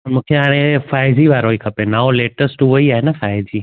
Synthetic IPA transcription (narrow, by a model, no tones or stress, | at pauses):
pəmũkʰjəaɽ̃ẽfajd͡ʒiʋaːɾɦoikʰəpenaʋoleʈəsʈuɦoiaenafajd͡ʒi